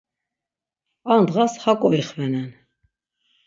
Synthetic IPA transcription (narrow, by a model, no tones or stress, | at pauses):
and̪ʁashakʼɔiχvɛnɛn